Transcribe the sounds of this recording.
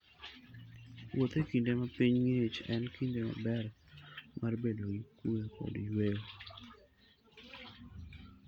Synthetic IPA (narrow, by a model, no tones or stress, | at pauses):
wʔot̪ekindemapiɲŋet͡ʃɛnkindema̰bɛr | marbedoɡikwuweko̰dijwel